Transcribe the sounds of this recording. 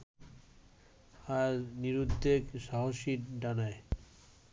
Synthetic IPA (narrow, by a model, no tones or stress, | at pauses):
aɾniɾud̪ːekʃaɦoʃiɾɖanae